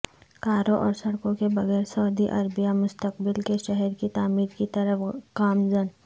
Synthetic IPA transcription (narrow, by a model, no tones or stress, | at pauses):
kaːɾõʔɔːɾsɐɽkõkebɐɣɛːɾsɐʊd̪iʔɐɾbijamʊst̪əqbɪlkeʃɛɦɛɾkit̪aːmiːɾkit̪ɐɾəfkaːmd͡ʒən